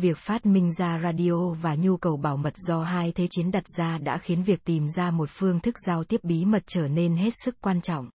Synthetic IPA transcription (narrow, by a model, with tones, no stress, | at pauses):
vi˨˩ək̚faː˦˥t̚mï˧ŋ̟zaː˧zaː˧ɗi˧ʔo˧vaː˨˩ɲu˧kə˨˩wɓaː˧˩wmə˨˩t̚z̥ɔ˧ɦaː˧jt̪ʰe˨˦t͡ɕi˨˦ənɗa˨˩t̚z̥aː˧ɗa̰ː˧˥xi˨˦ənvi˨˩ək̚t̪i˨˩mzaː˧mo˨˩t̚fɨ˧əŋt̪ʰɨ˦˥k̚z̥aː˧wt̪i˦˥əp̚ɓi˨˦mə˨˩t̚t͡ɕəː˧˩ne˧nɦe˦˥t̚sɨ˦˥kkːwaː˧nt͡ɕɔ̰˧˨wŋ͡mʔ